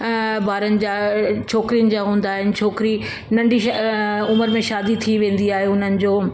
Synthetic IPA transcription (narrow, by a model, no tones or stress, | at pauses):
bʱaːɾənɪ̆d͡ʑaːt͡ɕʰoːkɾijənɪ̆d͡ʑaːɦũːn̆d̪aːɦɪnɪ̆t͡ɕʰoːkɾi | nɐ̃ɳɖʱiʃʊməɾmẽʃaːd̪it̪ʰiʋẽːn̆d̪iaːɦeɦʊn̤ənɪ̆d͡ʑoː